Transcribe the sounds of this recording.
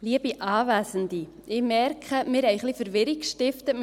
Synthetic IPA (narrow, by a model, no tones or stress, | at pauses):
liəb̥iʔɑːvæːsəndi | ɪmɛrkʰχəmɪːɾɛɪχlifəɾʋɪɾikʃtɪftə